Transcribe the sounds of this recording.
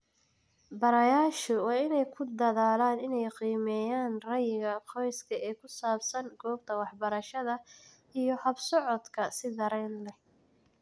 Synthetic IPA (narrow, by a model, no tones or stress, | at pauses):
bɐɾɐjaːʃʊwɑːɪnɛjkʰʊd̪ɐðaːlaːnɪnɛjqiːmɛːjaːnrɐjɪɣɐqʰɔjskʰɐɛːkʰʊsaːbsɐŋɡɔːb̚t̪ʰɐwɑħbɐɾɐʃɐðɐ | ijɔhɐbsɔʕɔd̪kʰɐsɪd̪ɐɾɛjnlɛ